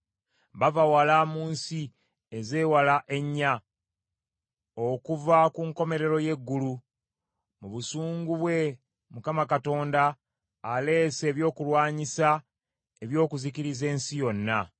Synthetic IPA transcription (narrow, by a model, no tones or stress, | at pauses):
βavawalamuːnsi | eze̞ːwalaʔe̞ɲːa | o̞kuvakuŋko̞me̞ɾe̞ɾo̞je̞ɡːulu | muβusuːŋɡuβwe̞ | mukamakato̞ːndaː | le̞ːse̞ːβjo̞ːkulwaːɲisa | eβjo̞ːkuziciɾize̞ːnsijo̞nːa